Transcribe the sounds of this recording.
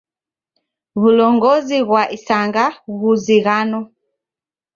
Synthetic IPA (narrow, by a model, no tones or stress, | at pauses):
βulɔŋɡɔziɣwaʔisaŋɡauɣuziɣanɔ